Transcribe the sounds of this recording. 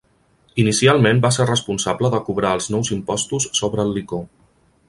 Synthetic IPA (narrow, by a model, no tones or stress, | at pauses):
inisialˠmembaserrəspunsabləðəkuβɾaəlˠznɔwzimpɔst̪usːoβɾəːlˠːiko